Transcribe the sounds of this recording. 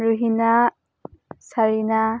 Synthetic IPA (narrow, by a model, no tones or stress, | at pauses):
ɾuɦina | saɾina